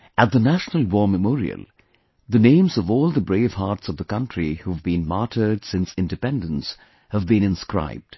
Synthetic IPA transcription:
ʔət̪̚ðənæʃnəlˠwɔːməmɔːɹḭə̰lˠ | ðɨnẽɪ̃mzʌvɔːlˠðəbɹeɪv̥hɑɹtsʌvðəkʌ̃ntɹ̥ihuvbĩnmɑɹɾʰə˞d̥sɪ̃nsɪ̃ndɨpɛ̃ndə̃ns | həvbĩnɨ̃nskɹa̰ɪb̚d̥

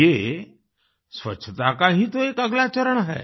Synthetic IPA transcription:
e | sʋə̰ɕʰət̪akaɦĩːt̪oekəɡlat͡ɕəɾəɳaɦɛ̰

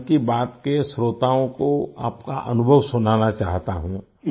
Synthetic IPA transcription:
kibaːt̪kesɾoːt̪aːõkoa̰ːpkaʔɐnʊbʱəʋsʊnaːnat͡ʃaːɦt̪aɦũː

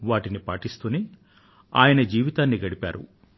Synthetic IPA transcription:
ʋaːʈinipaːʈist̪uni | a̰ːjɐnɐd͡ʒiːʋit̪aːnːiɡɐɽipa̰ːɾṵ

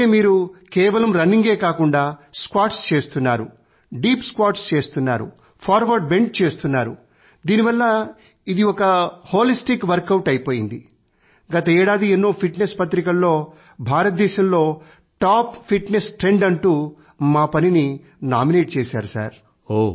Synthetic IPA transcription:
emiːɾukɛːʋɐlɐmɾɐniŋɡe̞ːkaːkuɳɖaːskaːʈst͡ʃe̞ːst̪unːaːɾu | ɖiːpskʋaːʈst͡ʃe̞ːst̪unːaːɾṵ | pʰaːɾʋɐɾɖ̚be̞ɳɖt͡ʃe̞ːst̪unːaːɾu | d̪iːniʋɐlːɐ | id̪iɔkɐhoːlisʈikʋɐɾkɐwʈɐjpo̞ːjind̪i | ɡɐt̪ɐɛːɽaːd̪ienːoːpʰiʈnespɐt̪ɾikɐlːo̞ː | bʱaːɾɐt̪̚d̪ɛːʃɐmlo̞ː | ʈaːppʰiʈnesʈɾe̞ɳɖɐɳʈuː | maːpɐnini | naːmineːʈ̚t͡ʃeːsaːɾusa̰ːɾ | o

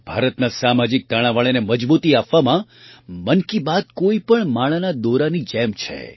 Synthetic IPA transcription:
b̥ʱa̰ɾət̪nasamad͡ʒɪk̚d̪aɽ̃ãʋaɭeneməd͡ʒbut̪iapʋamã | mənkibad̪̚koipəɳmaɭ̃anad̪oɾanid͡ʒɛmt͡ʃʰḛ

